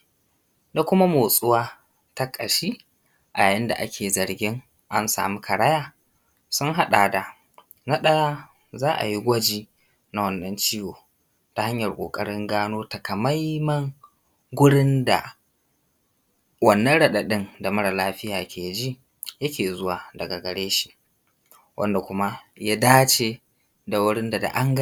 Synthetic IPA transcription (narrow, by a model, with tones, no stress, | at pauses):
da˨kʷʊ˦ma˦moː˨sʼʊ˦waː˦ | ta˦kʼɐ˨ʃiː˦ | ʔa˨jaː˨jɪ˦nda̰˨ʔa˦kʲʰeː˨zɐ˨ɽɡʲɪ˦ŋ | ʔa˦nsa̰ː˨mu˦kʰɐ˨ɽa˦jaː˦˨ | sʊ˦ŋɦa˦ɗa˨da˨ | na˦ɗɐ˦jaː˦ | zaː˦ʔa̰˨ji˦ɡʷɐ˦d͡ʒiː˦ | na˦wɐ˦nːɐ˦nt͡ʃiː˦woː˨ | ta˨ha˦ɲjɐ˨rkʷʼo̰ː˨kʼɐ˦ɽɪ˦ŋɡaː˦noː˦ta˨kɐ˨ma˦jmɐ˦ŋ | ɡʷʊ˦ɽɪ˦nda̰˨ | wɐ˨nːɐ˦ɽɐ˦ɗa˨ɗɪ˦nda˨mɐ˦ɽa˨laː˦ɸɪ˦jaː˨kʲeː˨˦d͡ʒi˦ | jɐ˦kʲeː˨zʊ˦waː˨dɐ˨ɡa˨ɡɐ˨ɽeː˦ʃi̥˦ | wʔɐ̰˦nda˨kʷʊ˦ma˦ja˦daː˦t͡ʃeː˦ | da˨wʊ˦ɽɪ˦nda˨da̰˨ʔa˦ŋɡ